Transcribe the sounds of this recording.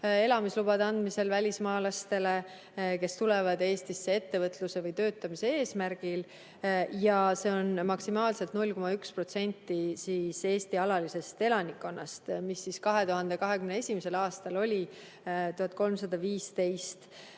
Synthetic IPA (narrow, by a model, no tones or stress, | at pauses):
e̞lɑmislub̥ɑd̪ɑnd̪mise̞lvælʲismɑːlɑst̪e̞le̞ | ke̞st̪ule̞vɑd̪e̞ːst̪isːee̞t̪ːe̞vɤt̪luse̞vɤjt̪ø̞ːt̪ːˑɑmisee̞ːsmæɾɡ̥il | jɑse̞o̞nmɑksimɑːlse̞lt̪nulʲːko̞mɑykspro̞t̪se̞nʲt̪ːˑisiːse̞ːst̪iɑlɑlise̞st̪e̞lɑnikːˑo̞nːɑst̪misːiskɑɦe̞t̪uɦɑnd̪ekɑɦe̞kymnee̞sʲimese̞lɑːst̪ɑlo̞lʲi | t̪uhɑt̪̚ˑko̞lmsɑd̪̥ɑviːst̪e̞jst̪